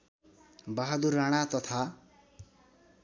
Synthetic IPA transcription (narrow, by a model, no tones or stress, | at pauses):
baɦad̪urːaɽ̃at̪ʌt̪ʰa